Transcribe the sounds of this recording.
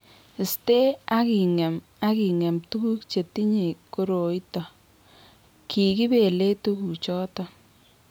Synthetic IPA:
ɪ˨ste˦a˦ki˨ŋɛ˨m | a˦ki˨ŋɛ˨mtu˦ku˦kt͡ʃe˨ti˦ɲe˨ko˦ɾo˨i˦tɔ˨ | kʰi˨ki˦be˨le˦tu˦ku˨t͡ʃɔ˦tɔ˦

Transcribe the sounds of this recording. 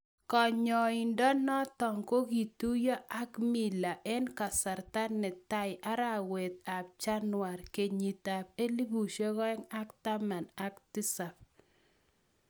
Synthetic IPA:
kɔ˨ɲɔ˨i˨ndɔ˦nɔ˦tɔ˨ŋko˦ɡi˨tu˦jɔ˦ʔa˦kmi˦˨la˨ʔɛ˦nka˨sa˨ɾta˦nɛ˨ta˦ɪ˨ʔa˦ɾa˦˨we˨t̪̚a˨p̚t͡ʃa˦nwa˨ɾke˨ɲi˨ta˨pe˦li˦bu˨ʃe˦kɔ˦ɛ˦ŋa˦kta˦ma˨na˦ktɪ˦sa˨p̚

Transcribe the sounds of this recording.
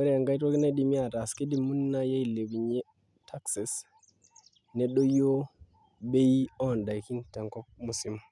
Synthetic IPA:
ɛ˦ɾa˨ŋɡa˦i˦two˦ki˦na˦di˨mi˦a˦˨ta˨ski˦di˦mːu˦n˦na˦ja˦i˨le˨bi˨ɲe˦ | tʰa˦ksi˨s | nɛ˦ɗo˦jo˦ | be˦i˦ɔ˦˨nda˨jki˦ntɛ˨ŋkɔ˦p̚mu˦si˦m

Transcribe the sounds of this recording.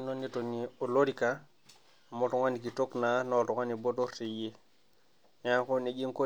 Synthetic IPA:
no˦ni˦to˨ni˨o˨lo˦ɾi˦ka˨ | mo˨tu˨ŋa˦ni˨ki˨to˦kna˨no˦˨tu˨ŋa˦ni˨bo˦to˦ɾti˨je˦ | ɲa˦ko˦ni˨d͡ʒi˦ŋko˦

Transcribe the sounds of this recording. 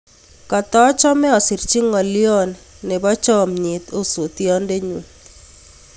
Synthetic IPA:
ka˨t̪ɔ˦t͡ʃɔ˦mɛ˦ɔ˨si˨ɾt͡ʃi˦ŋɔ˨ljɔ˦nː | ɛ˨bɔ˦t͡ʃɔ˦˨mɲi˨t̪o˦so˨t̪jɔ˦nde˦ɲwe˨

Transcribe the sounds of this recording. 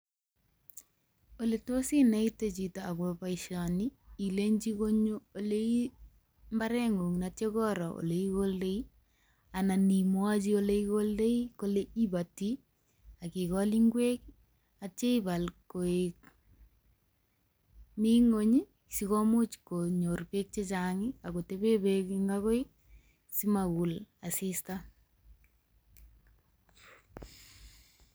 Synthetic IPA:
o˨le˨to˦si˦na˨˦i˦te˨t͡ʃi˨taː˨kwo˨pa˨iʃa˨ni˦i˨le˦ɲd͡ʒi˦ko˦ɲo˦o˨le˦i˦ | mba˦ɾɛ˦ŋu˨ŋna˨t͡ʃe˦kɔ˦ɾɔ˨o̰˨le˨i˦ko˦lde˦i˦ | a˨na˨ni˨mwa˦t͡ʃi˦o˦le˦i˦ko˦lde˦i˦ko˦le˦i˦ba˨ti˦ | a˨kɪ˨kɔli˦ŋɡwe˦k | at͡ʃe˦i˦ba˨lko˨e˨k | mi˦ŋo˦ɲi˦ | sikɔ˦mo˦t͡ʃko˨ɲo˨rpe˦k̚t͡ʃe˦t͡ʃaŋɪ˦a˨ko˨te˦be˦bekiŋɡako˦j | si˦ma˨ku˨la˨si˦sta

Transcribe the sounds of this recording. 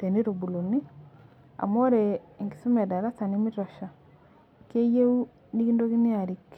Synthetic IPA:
te˨ni˦ɾo˨bu˨lo˨ni˦ | a̰˨mo˦ɾe˨ŋɡi˨su˦mɛ˨da˨ɾa˦sa˨ni˦mɪ˦tɔ˨ʃa˨ | ke˦je˦u˦ | ni˦ki˦ndo˦ki˦ni˦a˨ɾi˨k

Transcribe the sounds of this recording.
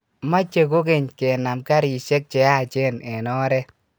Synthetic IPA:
ma˦t͡ʃe˨ko˦ke˨ɲke˨na˨mka˦ɾt͡ʃe˦k̚t͡ʃɛ˨a˦˨t͡ʃe˦nɛ˨nɔ˦ɾɛ˦

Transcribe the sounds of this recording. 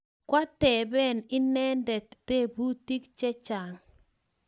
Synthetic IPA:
kwa˦t̪ɛ˨bɛ˦˨nɪ˦nɛ˦ndɛ˨t̪te˦˨bu˦ti˦kt͡ʃɛ˦t͡ʃa˨ŋ

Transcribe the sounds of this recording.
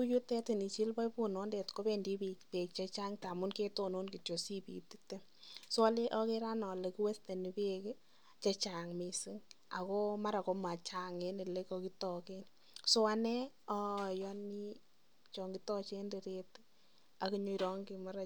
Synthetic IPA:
ku˦ju˦tɛ˦ti˨ni˨t͡ʃi˦lpɔ˦ipu˦nɔ˦nde˨tko˦bendi˦bi˨kpe˨k̚t͡ʃe˦t͡ʃa˦ŋta˨mu˦nke˦tono˦nki˨tjo˨si˦pḭ˨ti̥te˦ | so˦a˦le˦ʔɔ˦keɾa˦nɔ˨le˨ki˦we˦ste˨ni˨pe˦k | t͡ʃe˦t͡ʃa˨ŋmi˨si˦ŋ | a̰˨ko˦ma˦ɾa˨ko˧ma˨t͡ʃa˨ŋe˦ni˨le˦kɔ˧ki˦tɔ˨ken | so˦a˦nɛ˦ɔ˦˨jɔ˦ni˦ | t͡ʃɔ˨ŋɡi˦tɔ˦t͡ʃe˦nde˨ɾe˦t | a˨ki˦ɲo˧iɾɔ˦ŋɡi˨ma˦ɾa˨

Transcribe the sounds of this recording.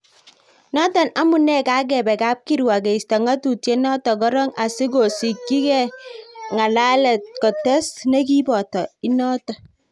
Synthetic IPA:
nɔ˦tɔ˨na˦mu˨nɛ˦˨ka˦ɡ̬ɛ˨bɛ˨ka˦p̚ki˦ɾwa˨ɡe˨i˨sta˨ŋa˦tu˨tje˦nɔ˦tɔ˨kɔ˦ɾɔ˦ŋa˨si˦ɡo˨si˨kːi˦kɛ˦˨ŋa˨la˦lɛ˨t̚kɔ˨tɛ˦sne˦ki˦bɔ˨tɔ˨i˦nɔ˦tɔ˨

